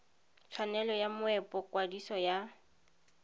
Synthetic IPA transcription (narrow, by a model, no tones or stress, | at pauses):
t͡sʰwanɛlɔjamʊɛpʼɔkʼwadisɔja